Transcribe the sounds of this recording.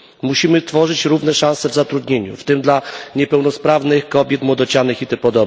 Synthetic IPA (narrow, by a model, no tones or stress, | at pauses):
muɕimɘt̪fɔʐɘt͡ɕɾuvnɛʂãñsɛvzat̪ɾud̪ɲeɲṵft̪ɘmd̪laɲɛpɛwnɔspɾavnɘxkɔbʲjɛt̪mwɔd̪ɔt͡ɕanɘxit̪ɛpɔd̪ɔb